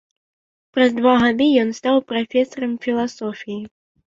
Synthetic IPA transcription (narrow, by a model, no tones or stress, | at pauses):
pɾɐzd̪vaɣad̪ɨjɔnst̪awpɾafʲɛsɐɾɐmfʲilˠasɔfʲiji